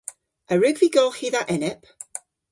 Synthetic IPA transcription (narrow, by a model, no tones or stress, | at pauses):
əɹʉɡviːɡolˠχiːðaʔɛnɪp